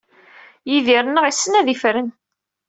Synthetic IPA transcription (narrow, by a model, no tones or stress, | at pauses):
jiðiɾnːəʁisːənæðifɾən